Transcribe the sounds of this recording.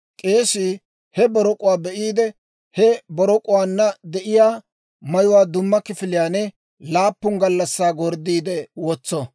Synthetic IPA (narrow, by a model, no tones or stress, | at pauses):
kʼe̞ːʃi | hɛbɔɾɔkʼʊwaːbɛʔiːd̪ɛ | hɛbɔɾɔkʼʊwaːnːɐd̪ɛʔɪjaː | mɐjʊwaːd̪ʊmːɐkɪfɪlɪjaːnɛ | laːpːʊŋɡɐlːɐsːaːɡɔɾd̪iːd̪ɛwɔt͡sːɔ